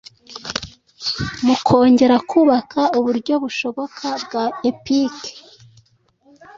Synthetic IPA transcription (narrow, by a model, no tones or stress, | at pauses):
mukʰo̞ːɲɟe̞ɾakʰuβakʰauβuɾɟo̞βuʃo̞βo̞kʰabɡaepike̥